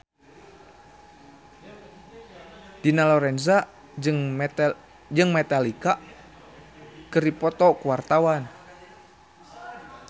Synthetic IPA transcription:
d̥inalɔɾɛnza | d͡ʒɨŋ | d͡ʒɨŋmɛt̪alika | kɨripɔt̪ɔkuwart̪awan

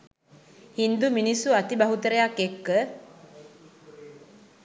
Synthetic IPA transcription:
hind̪uminisuat̪ibaɦut̪əɾəjakːekːə

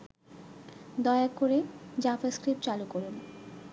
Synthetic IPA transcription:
d̪ɔeakoɾed͡ʑafaskɾipt͡ɕalukoɾun

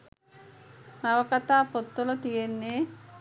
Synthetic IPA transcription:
naʋəkat̪aːpot̪ːolot̪ijenːeː

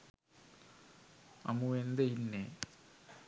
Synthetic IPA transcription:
ɐ̰muʋend̪einːe

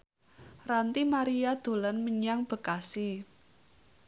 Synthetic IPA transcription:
rant̪imaɾiad̪̥o̤lənməɲaŋb̥ə̤kasi

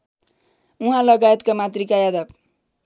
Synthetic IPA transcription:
uɦãlʌɡajet̪kamat̪rikajad̪ʌb

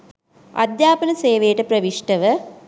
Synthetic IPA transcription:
ɐ̰d̪jaːpɐnɐseːʋejʈəpɾɐʋiʂʈɐʋə

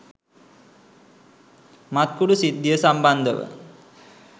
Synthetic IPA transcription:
mat̪̚kuɖusid̪ːiəsamband̪əʋə̰

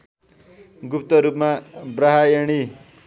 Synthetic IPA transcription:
ɡup̚t̪ʌɾupmabɾaɦaeɽ̃i

